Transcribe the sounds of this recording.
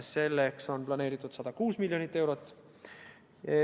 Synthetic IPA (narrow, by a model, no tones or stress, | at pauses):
se̞lːekso̞nplɑne̞ːɾit̪ːˑud̪̥sɑd̪̥ɑkuːsmiljonit̪ːe̞wɾo̞t̪ːˑ